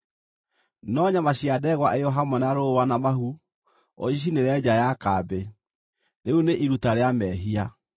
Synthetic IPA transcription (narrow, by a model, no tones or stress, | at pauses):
nɔɲamaɕiadɛɣwaʔejɔɦamɔnaɾowanamahu | o̰iɕ̬ineɾɛd͡ʑajakabe | neuneʔiɾutaɾeamɛːɦia